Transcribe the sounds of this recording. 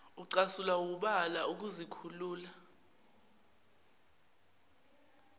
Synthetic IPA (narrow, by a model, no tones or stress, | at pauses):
uǀasulauk̬uɓalauk̬uzikʰuluːla